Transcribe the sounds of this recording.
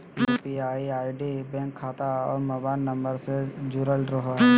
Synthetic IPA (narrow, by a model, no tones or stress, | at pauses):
epiaːiaːiɖibɛ̃ːŋkʰːaːt̪aɔ̰ːɾmɛbaːnːɐ̃mbəɾsed͡ʒuɾəlɾoɦɦɛ